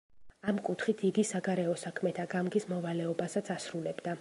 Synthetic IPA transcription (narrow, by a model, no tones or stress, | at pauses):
amkʼut̪ʰχit̪ʰiɡisaɡaɾɛɔsakʰmɛt̪ʰaɡamɡismɔvalɛɔbasat̪sʰasɾulɛbd̪a